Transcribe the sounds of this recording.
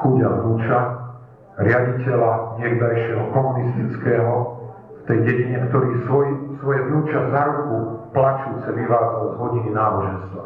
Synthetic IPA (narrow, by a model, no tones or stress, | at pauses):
xuɟaɦnuːt͡ʃa | ɾɪaɟicɛlaɲɪɛɡd̪ajʃɪɛɦɔkɔmunist̪it͡skɛːɦɔ | ft̪ɛjɟɛɟiɲɛkt̪ɔɾiːsɔisʋɔjɛvnuːt͡ʃazaɾukuplat͡ʃuːt͡sɛliʋaːzɔd̪ɦɔɟininaːbɔʒɛnst̪ʋa̰